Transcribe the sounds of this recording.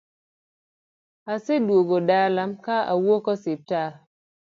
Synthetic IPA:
asedwoɡodaːlamkaa̰wokɔsep̚ta

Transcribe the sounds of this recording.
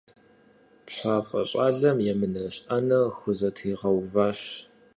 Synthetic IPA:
pɕʷaːfʼɐ̰ɕʼaːɮɐmjɛmɨnɐɕʼɐnɐxʷʊzɐtʰiːʁɐwvaːɕ

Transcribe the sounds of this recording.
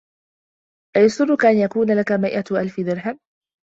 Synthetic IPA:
ʔajasˤʊrˤːʊkaʔanjakuːnalakamajʔaʔalfɪd̪ɪɾɦam

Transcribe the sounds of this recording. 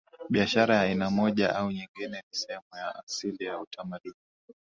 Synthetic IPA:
ɓiaʃaɾajaːinamɔʄaʔauɲiŋɡinɛnisɛhɛmujaʔasilijautʰamaɗuni

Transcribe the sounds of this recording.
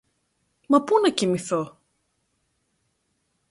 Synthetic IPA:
mɐpunɐcimiθo

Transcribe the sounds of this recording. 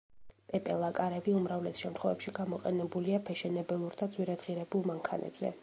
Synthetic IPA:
pʼɛpʼɛlˠakʼaɾɛbiumɾavlɛsʃɛmt̪χwɛvɛpʃiɡamɔqʼɛnɛbuliapʰɛʃɛnɛbɛlˠuɾd̪ad̪zwiɾad̪ʁiɾɛbulˠmaŋkʰa̰nʔɛ̰bzɛ̰

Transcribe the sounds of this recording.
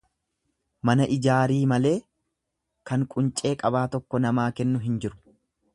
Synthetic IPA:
mɐnɐʔɪd͡ʒaːɾiːmɐle̞ː | kɐŋkʼʊnt͡ʃʼe̞ːkʼɐbaːt̪ɔkːɔnɐmaːkɛnːʊɦɪnd͡ʒɪɾʊ̥

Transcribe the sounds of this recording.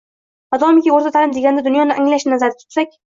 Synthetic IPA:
vad̪ɒmɪkʲioɾt̪ʰat̪ʰalɪmd̪eɡʲand̪ad̪ʊnjɒnɪʔaŋlaʃnnazaɾd̪ɪt̪ʰʊ̥t̪sakʲ

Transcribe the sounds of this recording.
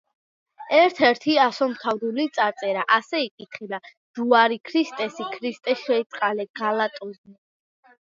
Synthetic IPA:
ɛɾt̪ʰɛɾt̪ʰiasɔmt̪ʰavd̪ulit̪sʼaɾt̪sʼɛɾaʔasɛikʼit̪ʰχɛb̪a | z̥uaɾikʰɾist̪ʼɛsikʰɾist̪ʼɛʃɛit̪sʼqʼalɛɡ̥alat̪ʼɔzni

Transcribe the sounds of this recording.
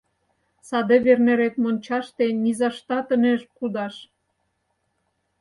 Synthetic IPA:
sɑd̪eβerneɾek̪̚monʲt͡ɕɑʃt̪enʲizɑʃt̪ɑt̪əneʃkud̪ɑʃ

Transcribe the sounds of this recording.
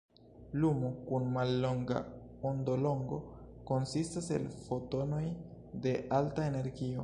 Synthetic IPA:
lumokunmalːo̞ŋɡa̰ondo̞lo̞ŋɡo̞ko̞nsistase̞̰lfo̞to̞no̞j | de̞ʔaltaene̞ɾɡio̞

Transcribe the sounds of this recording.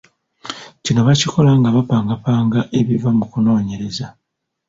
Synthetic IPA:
cino̞βaciko̞laŋɡaβapaːŋɡapaːŋɡaʔe̞βivamukuno̞ːɲe̞ɾe̞za

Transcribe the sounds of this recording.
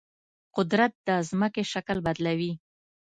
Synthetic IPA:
qʊd̪ɾat̪̚d̪əzməkeʃaklbad̪lawi

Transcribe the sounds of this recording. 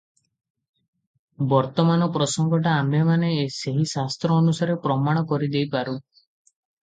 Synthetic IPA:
bɔɾt̪ɔmanɔpɾɔsɔŋɡɔʈaːmbemaneːseɦisast̪ɾɔːnusaɾepɾɔmaɽ̃ɔkɔɾid̪ejpaɾu

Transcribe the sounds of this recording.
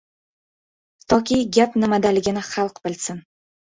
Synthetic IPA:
t̪ʰɒkʲʰiɡʲapnɪmad̪alɪɡʲɪnɪχɑlˠqbɪlsɪn

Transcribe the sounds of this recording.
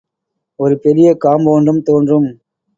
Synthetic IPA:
ɔɾɯpɛlɪjɐkaːmboːnɖrɯmt̪oːndrɯm

